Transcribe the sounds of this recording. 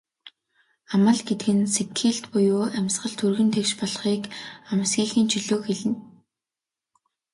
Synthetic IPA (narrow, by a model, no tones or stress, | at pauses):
amə̆ɮɡet̪̚ɡɘ̆nsekʰiːɬt̪pʊjʊːamʲsɢə̆ɮt̪ʰɵrɣɘ̆nt̪ʰekʃpɔɮχiːkamə̆sɡiːxiːnt͡ɕʰiɮoːxeɮɘ̆n